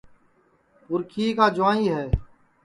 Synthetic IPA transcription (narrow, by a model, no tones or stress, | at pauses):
pʊɾkʰiːkaːd͡ʒʊʋãːiːɦɛː